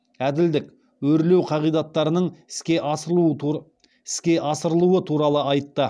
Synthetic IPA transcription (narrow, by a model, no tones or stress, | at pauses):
æd̪ɪld̪ɪk | wɵɾle̞wqʰɑʁijd̪ɑt̪ːɑɾənəɴɪskʲe | ɪskʲe̞ʔɑsəɾəlˠuwət̪ʰuɾɑlˠəɑjt̪ːə